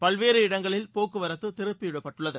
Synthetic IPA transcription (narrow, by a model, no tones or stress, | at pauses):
pɐɭʋeːɾɯɪɽɐŋɡɐɭɪlpoːkːɯʋɐɾɐt̪ːɯt̪ɪɾɯpːɪjɪɽɐpːɐʈːɯɭːɐðɯ